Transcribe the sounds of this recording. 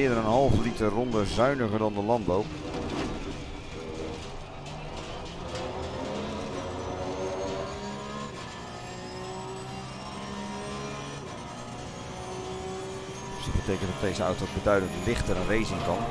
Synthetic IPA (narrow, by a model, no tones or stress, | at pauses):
ɪːəɹdənənɦɑlˠvəlitərɔndəzœɥnəχəɹdɑndəlɑndbow | sdəbətejkəntdɑtdejzəœ̰ɥtowbədœɥdəntlɪχtəɾənrejzɪŋkɑn